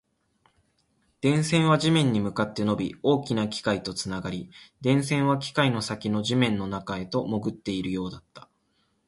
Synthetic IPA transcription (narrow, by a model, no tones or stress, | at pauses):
d̪̥ẽ̞ɰ̃sẽ̞ɰ̃βaʑimẽ̞ɲ̟ːimɯ̟kat̪ːe̞no̞bʲio̞ːkʲinakʲi̥kait̪o̞t͡sɨnaɡaɾʲid̪ẽ̞ɰ̃sẽ̞ɰ̃β̞akʲi̥kaino̞sakʲino̞ʑimẽ̞nːo̞nakae̞t̪o̞mo̞ɡɯ̟t̪ːe̞iɾɯ̟jo̞ːd̪at̪ːḁ